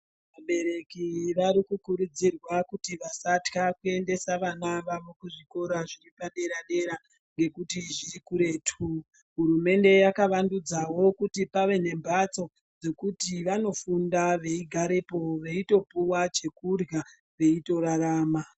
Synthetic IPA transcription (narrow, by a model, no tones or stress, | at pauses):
ʋaɓe̞ɾe̞kiʋaɾikukuɾud͡zirwakutiʋasatkakue̞nde̞saʋanaʋamukuʐiko̞ɾaʐiripaɗe̞ɾaɗe̞ɾa | ŋɡe̞kutiʐirikuɾe̞tʰu | ɦuɾume̞nde̞jakaʋandud͡zawo̞kutipaʋe̞ne̞mbat͡so̞ | d͡ze̞kutiʋano̞fundaʋe̞iɡʱaɾepo̞ʋe̞ito̞puwat͡ʃe̞kurja | ʋe̞ito̞ɾaɾaːma